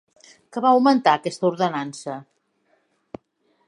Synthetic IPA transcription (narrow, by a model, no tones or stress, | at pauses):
kəβawmənt̪aəkɛst̪əuɾðənansə